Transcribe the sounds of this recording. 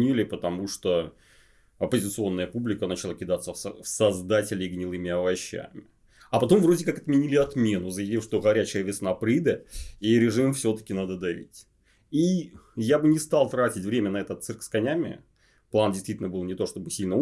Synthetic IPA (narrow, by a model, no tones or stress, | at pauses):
ilʲɪpət̪ɐmuʂt̪o | ɐpəzʲɪt̪sɨo̞nːəjəpublʲɪkənət͡ɕɪlˠakʲɪd̪at̪səəfsɐzd̪atʲɪlʲɪɡnʲɪlˠɨmʲɪɐvɐɕːæ̰mʲɪ | ɐpɐt̪o̞mvɾodʲɪkakɐt̪mʲɪnʲilʲɪɐt̪mʲe̞nʊzəjɪvʲifʂt̪oɣɐɾʲæt͡ɕɪjəvʲɪsnapɾɨd̪əiɾʲɪʐɨmfsʲo̞t̪ə̥kʲɪnad̪əd̪ɐvʲḭtʲ | ijabɨnʲɪst̪ɑlˠt̪ɾatʲɪtʲvɾʲemʲənɐɛt̪ət̪sɨrkskɐnʲæmʲɪ̰ | plˠandʲɪjst̪ʲitʲlʲnəbɨlˠnʲɪt̪o̞ʂt̪o̞bɨsʲilʲnə